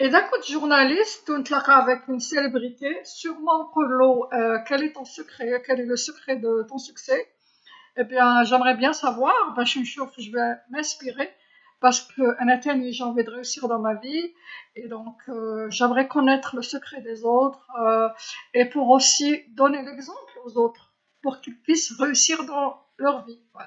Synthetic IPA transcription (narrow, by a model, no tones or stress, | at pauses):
ed̪ɛkod̪yʒuʁnalist̪ːɔnt̪laʁaːvɛkynselebʁit̪esyʁmɑ̃kɔloøkɛlɛt̪ɔ̃səkχɛkɛlɛləsəkχɛd̪ət̪ɔ̃syksɛ | ebjɛ̃ʒɛmʁɛbjɛ̃savwaːʁbɛ̃ʃnʃofʒəvɛmɛ̃spiʁe | paʁsə̥kʰəɛ̃nat̪ɛniʒeɑ̃vid̪əʁeysiʁd̪ɑ̃mavied̪ɔ̃kʰøʒɛmʁɛkɔnɛt̪χələsəkχɛd̪ezot̪χøepuʁosid̪ɔnelɛɡzɑ̃plozot̪χ | puʁkilpɥisʁeysiʁd̪ɑ̃ | lœʁvi | ɛ